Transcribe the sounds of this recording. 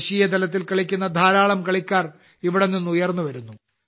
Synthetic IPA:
ɕiːjɐd̪ɐlɐt̪̬ːilkɐɭikʲːunːɐd̪ʱaːɾaːɭɐmkɐɭikʲːaːr | iʋiɽenːinːujɐrnːuʋɐɾunːu

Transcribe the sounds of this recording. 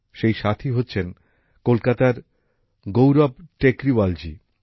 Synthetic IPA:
ʃejʃat̪ʰiɦotːɕʰen | kolkat̪aɾ | ɡowɾabʈekɾibald͡ʑi

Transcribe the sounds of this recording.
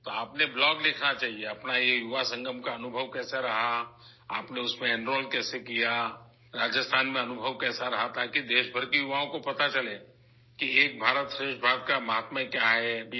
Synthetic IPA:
t̪oaːpneblɔːɡlɪkʰnat͡ʃaːɦieɐpnajejʊʋasə̃ŋɡəmkaɐnʊbʱəʋkɛːsaɾɐɦa | aːpneʊsmẽɛ̃ɳɖɾoːlkɛːsekija | ɾaːd͡ʒəst̪ʰaːnmẽɐnʊbʱəʋkɛːsaɾɐɦat̪aːkid̪eːʃbʱəɾkijʊʋaõkopɐt̪at͡ʃɐleː | kieːk̚bʱaːɾət̪ʃɾeːʃbʱaːɾət̪kamɐɦaːt̪mə̃kjaːɦɛb

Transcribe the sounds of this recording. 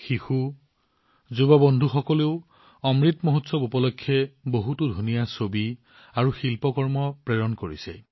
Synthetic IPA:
xixu | zubɔbɔndʱuxɔkɔleʊ | ɔmɹitmoɦutsɔbupɔlɔkʰːjɛboɦutudʱunijasobi | aɹuxilpɔkɔɹmɔpɹɛɹɔnkoɹḭsɛ̰

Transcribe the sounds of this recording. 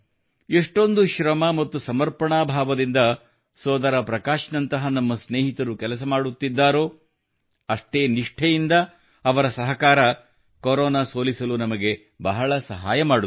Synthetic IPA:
eʂʈo̞nd̪uʃɾɐmɐmɐt̪ːusɐmɐɾpɐɳaːbʱaːʋɐd̪ind̪ɐ | sɔːd̪ɐɾɐpɾɐkaːʃnɐnt̪ɐɦɐnɐmːɐsneːɦit̪ɐɾukɛlɐs̬ɐmaːɽut̪ːid̪ːaːɾoː | ɐʂʈeːniʂʈʰɛjind̪ɐː | ʋɐɾɐsɐɦɐkaːɾɐ | koɾɔːnaːsoːlisɐlunɐmɐɡe̞ | bɐɦɐɭɐsɐɦaːjɐmaːɽu

